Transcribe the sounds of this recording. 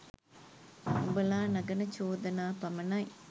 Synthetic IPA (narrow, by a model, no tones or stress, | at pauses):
ubɐlaːnɐɡɐnɐt͡ʃoːd̪ɐnaːpɐmɐnɐj